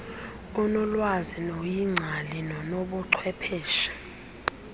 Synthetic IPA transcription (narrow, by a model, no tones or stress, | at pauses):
unɔlwazinojiŋ͡ǀʱalinɔnoɓɔǀʰwɛpʰɛːʃḁ